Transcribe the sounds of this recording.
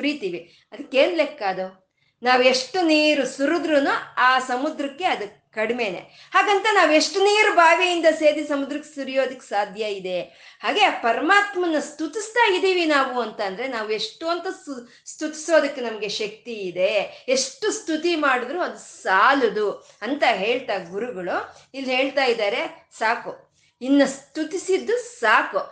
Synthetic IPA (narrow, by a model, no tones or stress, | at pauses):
kuɾit̪iːʋi | ɐd̪ɐkːe̞ːnlekːaːd̪u | naːʋue̞ʂʈːuniːɾusuɾud̪ɾunuaːsɐmud̪ɾɐkːe̞ɐd̪u | kɐɽime̞ːnḛ | haːɡɐnt̪ɐnaːʋue̞ʂʈuniːɾubʱaːʋijind̪ɐse̞ːd̪isɐmud̪ɾɐkːe̥suɾijo̞ːd̪ɐkːesaːd̪ʱjɐid̪e̞ | haːɡe̞pɐɾɐmaːt̪mɐnːɐst̪ut̪ist̪aːid̪iːʋinaːʋuɐnt̪ɐnd̪ɐɾe̞naːʋue̞ʂʈoːnt̪ɐ | st̪ut̪i̥so̞ːd̪ɐkːenɐmɐɡeʃɐk̚t̪iːd̪e̞eʂʈːust̪ut̪imaːɽid̪ɾuɐd̪usaːlud̪u | ɐnt̪ɐɦe̞ːɭt̪aːɡuɾuɡɐɭuilːɦe̞ːɭt̪aːjid̪aːɾe̞saːku | inːɐst̪ut̪isid̪ːusaːku